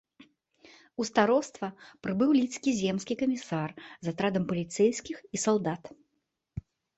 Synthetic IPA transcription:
ust̪aɾɔst̪vɐpɾɨbɨwlʲit̪skʲizʲɛmskʲikɐmʲisarzat̪ɾad̪ɐmpɐlʲit̪sɛjskʲixisalˠd̪at̪

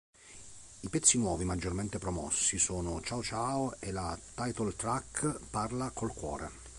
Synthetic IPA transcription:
ipɛt̪sːinwɔːvimad͡ʒːorment̪epɾɔmɔ̰sːisoːnot͡ʃawt͡ʃaoelat̪ajt̪olt̪ɾakːparlakʰolkwɔ̰ːɾḛ

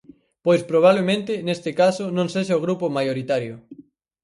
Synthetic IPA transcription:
pojspɾoβ̞aβlemẽnt̪ɪnest̪ɪkasʊnõŋseʃaoɣ̞ɾupʊmajoɾit̪aɾjʊ

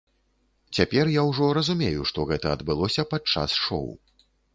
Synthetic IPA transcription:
t͡sʲapʲɛrjawʐɔɾɐzumʲejuʂt̪ɔɣɛt̪ɐɐd̪bɨlˠɔsʲɐpat̪̚t͡ʂa̰sʂɔ̰w

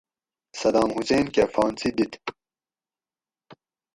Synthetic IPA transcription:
sɐd̪aːmhuseːnkefaːnt͡sid̪it̪

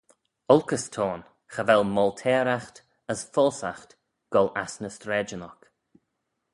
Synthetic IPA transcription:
ɔlˠkəstʰɔːn | xəvɛlˠmɔltʰɛːɾaxt | əsfɔːsaxt | ɡ̥ɔlasnəstɾɛːd͡ʒənɔk

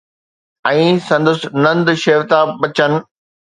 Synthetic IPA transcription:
ɛ̃ːsɐ̃nd̪əsɪ̆nɐ̃nd̪ʃeːʋt̪aɓɐt͡ɕənɪ̆

